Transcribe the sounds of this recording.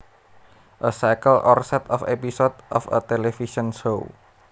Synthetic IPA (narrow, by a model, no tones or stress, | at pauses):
ʔəsakəlʔɔ̰rsɛt̪ɔfepisɔd̪ʔɔfə̰t̪elefisɔnsou